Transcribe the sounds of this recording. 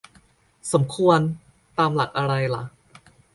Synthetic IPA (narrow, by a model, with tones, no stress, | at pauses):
so˩˦mkʰu˧ən | t̪aː˧mla˨˩k̚ʔa˧ɾa˧jla̰˩˦ʔ